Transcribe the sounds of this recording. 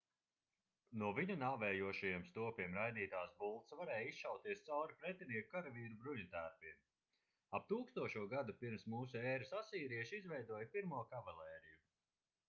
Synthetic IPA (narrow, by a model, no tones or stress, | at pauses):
nuɔviɲunaːvɛːjuɔʃajɛɛmst̪uɔpiɛmɾajd̪iːt̪aːsbulˠt̪svaɾɛːjisʃawt̪iɛst̪sawɾipɾɛt̪ʲiniːkukaɾaviːɾubɾuɲut̪æːɾpiɛm | ap̚t̪uːkst̪uɔʃuɔɡad̪upiɾmsmuːsuɛːɾɨsasiːɾiɛʃizvɛjd̪uɔjpiɾmuɔkavalɛːɾiju